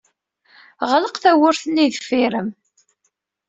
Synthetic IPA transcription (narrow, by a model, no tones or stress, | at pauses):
ʁələqθæwʊɾθənːiðəfiɾəm